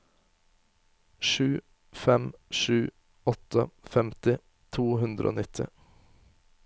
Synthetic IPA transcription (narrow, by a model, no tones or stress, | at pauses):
ʃʉː | fɛmʃʉː | ɔt̪ʰəfɛmt̪ɪ | t̪ʰuːhʉnd̪ɾəʔo̰ːnɪt̪ʰɪ̰